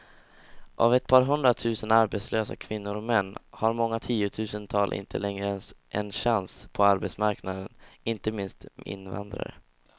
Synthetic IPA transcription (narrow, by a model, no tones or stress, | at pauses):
ʔa̰vɛt̪̚pʰɑːɾɦɵnd̪ɾat̪ʰʉ̟ːsənaɾbɛt̪sløːsa̰kʰvɪnːʊɾɔkmɛnːhaɾmɔŋːat̪ʰiːʊt̪ʰʉ̟ːsənt̪ʰɑːlʔɪ̰nt̪ʰə̰lɛŋɾəɛnsʔɛ̰nɕanspʰɔaɾbɛt̪smaɾknad̪ənɪnt̪əmɪnst̪ɪ̰nːva̰nd̪ɾa̰ɾə̰